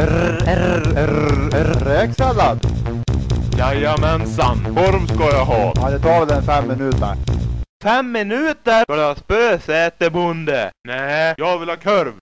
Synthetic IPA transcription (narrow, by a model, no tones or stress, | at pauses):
ɾɛksalːad̪ | jajːamɛnsanfɔɾmskɑjaɦɑːɑd̪ɛt̪ʰɑːɾd̪ɛnfɛmːɪnʉ̟ːt̪ə̰ɾfɛmːɪnʉ̟ːt̪əkad̪ɛɑːspøːsɛːt̪əbʊnd̪ənɛːjɑːɡvɪlhɑːkʰœɾv